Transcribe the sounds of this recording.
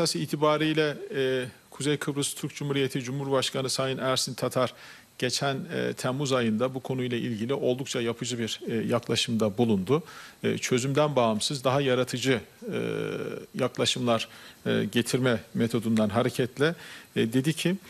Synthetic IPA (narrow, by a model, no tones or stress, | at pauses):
sasiiːt̪ʰibaːɾijlʲɛ | kʰuzejkʰɯbɾɯst̪ʰyɾk̚d͡ʒumhuɾije̞t̪ʰid͡ʒumhuɾbaʃkʰanɯsajɯnæɾsint̪ʰat̪ʰaɾ | ɟ̥et͡ʃʰæn̰ːt̪ʰɛmːuzajɯnd̪abukʰo̞nujlˠailʲɟilʲiʔo̞lˠd̪uk̚t͡ʃʰajapʰɯd͡ʒɯbiɾjaklˠaʃɯmd̪abulˠund̪ʊt͡ʃʰø̞zymd̪ænbaɦamsɯzd̪aɦajaɾat̪ʰɯd͡ʒɯɯ̰jaklˠaʃɯmlˠaɾːɟe̞t̪ʰiɾmɛme̞t̪ʰo̞d̪und̪anɦaɾecʰɛt̪ʰlʲɛd̪e̞d̪icʰi